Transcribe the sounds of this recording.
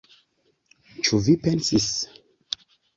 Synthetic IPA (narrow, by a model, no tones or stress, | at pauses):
t͡ʃuvipɛnsis